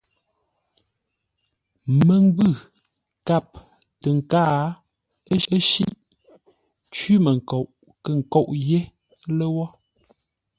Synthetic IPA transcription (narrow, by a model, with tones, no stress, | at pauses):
mə˨ŋ˦bʉ˦˨ | ka˦˨p̚ | tə˨ŋ̩˨kaː˦ | ə˦ʃḭ˦ʔ | t͡ʃɥi˦mə˨ŋ̩˨ko˨ʔ | kə˨ŋ̩˨kɔ˨ʔje˦ | lə˦wɔ˦